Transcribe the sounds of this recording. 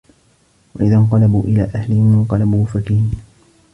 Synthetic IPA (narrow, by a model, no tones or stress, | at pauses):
waʔɪðaɴqɑlabuːʔɪlaːʔahlɪhɪmɪɴqɑlabuːfakiː